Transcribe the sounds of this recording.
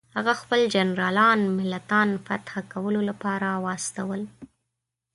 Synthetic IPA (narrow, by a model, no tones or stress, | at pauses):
haɣaxpəld͡ʒanɾɑlɑnmɪlːat̪ɑnfa̰t̪xakawəlolapɑɾawɑst̪awəl